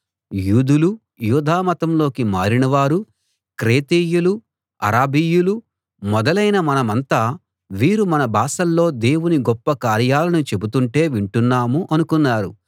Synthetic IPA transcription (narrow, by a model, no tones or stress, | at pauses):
juːd̪ulu | juːd̪ʱaːmɐt̪ɐmlo̞ːkimaːɾinɐʋaːɾu | kɾeːt̪eːjulu | ɐ̰ɾaːbiːjulu | mɔd̪ɐlɐjnɐmɐnɐmɐnt̪aː | ʋiːɾumɐnɐbʱaːsɐlːo̞ːd̪e̞ːwuniɡɔpːɐkaːɾjaːlɐnut͡ʃe̞but̪uɳʈe̞ːʋiɳʈunːaːmuʔɐnukunːaːɾu